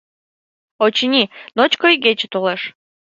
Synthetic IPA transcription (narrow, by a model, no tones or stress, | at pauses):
ot͡ɕinʲinot͡ɕkojɡʲet͡ɕet̪oleʃ